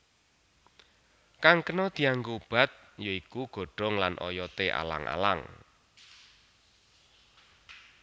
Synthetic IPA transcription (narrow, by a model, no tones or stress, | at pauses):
kaŋkənɔd̪̥i̤aŋɡob̥a̤t̪̚ | joikuɡ̥o̤ɖ̥ɔ̤ŋlanʔɔ̰jɔt̪eʔa̰la̰ŋʔa̰la̰ŋ